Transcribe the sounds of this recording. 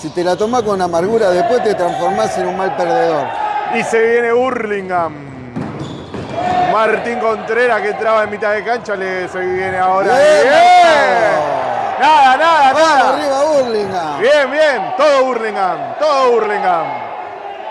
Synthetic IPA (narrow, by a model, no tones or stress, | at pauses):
sit̪elat̪omakonunamaɾɣuɾaðehpwe̞ht̪et̪ɾaɱfo̞ɾmasenunmalpeɾðeðo̞ɾise̞βje̞ne̞uɾliŋɡam | maɾt̪iŋko̞nt̪ɾeɾakent̪ɾaβaemit̪aðekant͡ʃaleseβjeneaoɾaee | naðanaðanaaariβauɾliŋɡambjembjent̪oðouɾliŋɡamt̪oðouɾliŋɡam